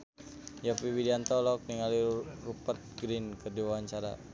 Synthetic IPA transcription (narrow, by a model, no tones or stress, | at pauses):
japibidiant̪ɔlɔk̚niŋalirupət̪̚ɡɾinkədiwawaɲt͡ʃaɾa̰